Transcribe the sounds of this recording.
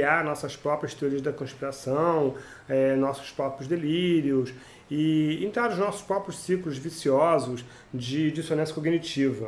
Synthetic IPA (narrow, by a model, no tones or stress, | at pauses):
iaɾnɔsɐspɾɔpɾijɐst̪eoɾiɐzd̪ɐkõʃpiɾasɐ̃w̃ | ɛnɔsʊ̥spɾɔpɾjʊzd̪eliɾiʊs | ɪẽnt̪ɾaɾʊʒnɔsʊ̥ʃpɾɔpɾjʊssiklʊzvisiɔzʊs | d͡ʒɪd͡ʒisonɐ̃sjɐ̥koɡnit͡ʃivɐ